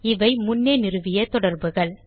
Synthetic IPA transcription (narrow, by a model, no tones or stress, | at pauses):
ɪʋɐɪmʊnːeːnɪɾɯʋɪjɐt̪ɔɽɐɾbɯɣɐɭ